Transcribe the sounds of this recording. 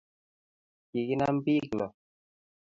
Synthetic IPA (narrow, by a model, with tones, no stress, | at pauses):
ki˨ki˦na˦m̩˦bi˦klɔ˨